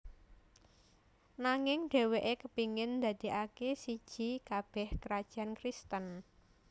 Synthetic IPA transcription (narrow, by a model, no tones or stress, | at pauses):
naŋɪŋɖ̥e̤weʔekəpiŋɪnd̪a̤d̪̥i̤akesid̥ʒ̥i̤kab̥ɛhkəɾad̥ʒ̥a̤nkɾist̪ən